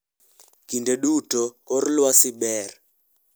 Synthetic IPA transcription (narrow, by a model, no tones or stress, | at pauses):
ɡ̥ʱindʱɛɗutʼɔ | ɔrilwasiɓɛːrɛ